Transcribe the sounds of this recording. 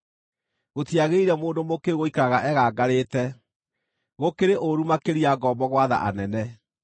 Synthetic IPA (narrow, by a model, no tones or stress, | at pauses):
ɣotiaɣeiɾɛmoːndomokeɣoikaɣaʔɛɣaːɡaɾeːtɛ | ɣokeɾeʔoɾumakeɾiaɡɔbɔɣwaða̰ʔa̰nɛnɛ